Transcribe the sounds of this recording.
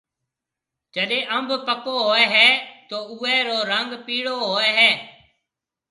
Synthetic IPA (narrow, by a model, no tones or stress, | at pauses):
d͡ʒəɗẽːʔəmbʱpəkoːɦoːɛːɦɛːt̪oːʊːɛːɾoːɾəŋɡpiːɽoːɦoːɛːɦɛː